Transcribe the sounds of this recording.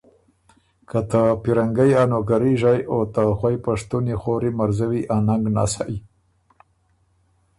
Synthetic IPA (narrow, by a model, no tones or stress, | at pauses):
kat̪apiɾaŋɡajanoɡaɾiʒajot̪axwajpaʂt̪unixoɾimaɾzawiʔanaŋɡna̰saʔi